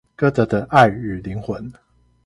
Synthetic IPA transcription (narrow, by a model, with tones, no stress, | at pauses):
kɤ˥t̪ə˨˦˥d̪ə˧ʔa˥˩ɪy˨˩li˨˥ŋxwə˨˦n